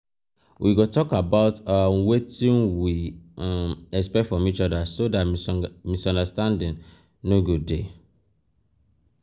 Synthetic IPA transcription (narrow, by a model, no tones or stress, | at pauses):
wʔiɡotɔkabaʊtawetĩnwi | mɛspɛfɹɔ̃mit͡ʃɔdasodatmisɔ̃ndastãndĩn | noɡud̚de